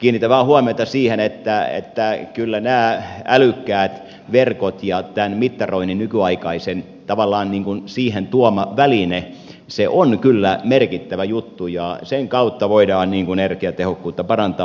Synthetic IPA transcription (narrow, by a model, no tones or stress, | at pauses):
kiːnːit̪ːæʋæːhuɑmiot̪ɑsiːhenet̪ːæḛt̪ːækylːænæːælykːæːt̪ | ʋerkot̪jɑt̪ænmit̪ːɑroininnykyɑikɑisen | t̪ɑʋɑlˑːɑːnniːŋkunsiːhent̪uomɑʋæline | seʔonkylːæmerkit̪ːæʋæjut̪ːujɑseŋkɑut̪ːɑʋoidɑːnniːŋkunerkiæt̪ehokːuːt̪ːɑpɑrɑnt̪ɑː